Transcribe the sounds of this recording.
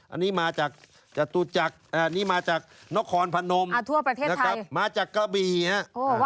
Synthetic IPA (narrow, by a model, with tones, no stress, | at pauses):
ʔa̰˧nːiː˦˥maː˧t͡ɕaː˨˩k̚ | t͡ɕaː˨˩k̚t̪u˧˩t͡ɕa˨˩k̚ʔaː˧nːiː˦˥maː˧t͡ɕaː˨˩k̚na˦˥kʰːɔː˧npʰa˧no˧ma˧˩t̪ʰu˧˩ɐpɾa˧eː˥˩n˧t̪ʰːa˦˥maː˧t͡ɕaː˨˩kːaː˧biː˨˩ha˦˥ʔʔoː˧˩˧